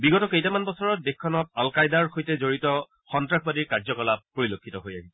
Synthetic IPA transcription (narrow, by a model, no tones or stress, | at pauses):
biɡɔtɔkejtamanbɔsɔɹɔt̚dexʰːɔnɔt̚alkajdaɹxojtɛzoɹitɔ | xɔntɹaxbadiɹkaɹzɔkɔlap̚ːoɹilokʰːitɔɦoja̰ɦisɛ